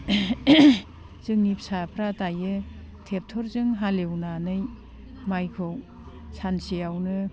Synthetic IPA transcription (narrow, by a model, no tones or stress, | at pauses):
zɯŋnipsapʰɾatajɯ | tʰep̚tʰɔɾzɯŋɦalewnanɯj | majkʰɯw | sansijawnɯ